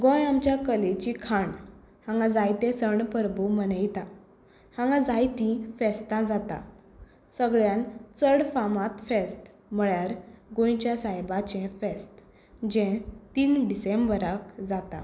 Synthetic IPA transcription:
ɡõjamt͡ɕjakəlet͡ɕikʰaɳ | hãŋɡãd͡zajt̪ẽsəɳpəɾbumənəjt̪a | hãŋɡãd͡zajt̪ĩfɛst̪ãd͡zat̪a̰ | səɡɭjãnt͡səɽfamãt̪fest̪ | m̤əɭjaɾɡõjt͡ɕjasajbat͡ɕẽfest̪ | d͡ʑɛ̃t̪iːnɖisẽmbəɾakd͡zat̪a̰

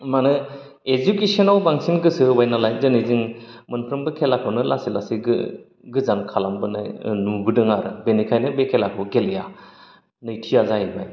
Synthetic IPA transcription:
manɯ | ed͡ʒukesɔnawbaŋsinɡɯsɯɯbajnalajnzɯniziŋmɯnpʰɾɯmbɯkʰelakʰɯwnɯlasilasiɡɯ̰ | ɡɯzaŋkʰalambɯnɯ̰jnubɯdɯŋaɾɯbenikʰajnɯbekʰelakʰɯwɡelja | nɯjtʰijazaɦibaj

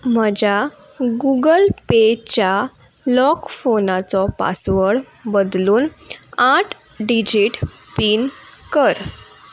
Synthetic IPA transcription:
m̤əd͡ʑa | ɡuɡəlpet͡ɕja | lɔkfonat͡sɔpa̰sʋəɽ | bəd̪luːnaʈʰ | ɖid͡ʑiʈ | piːnkəɾ

